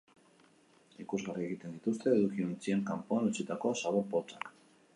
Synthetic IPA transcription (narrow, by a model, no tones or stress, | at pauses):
ikuzɣarie̞ɣit̪e̞nd̪it̪ust̪e̞ːðukiont͡sie̞ŋkampoanut͡sit̪ako̞asaβo̞ɾpo̞t͡sak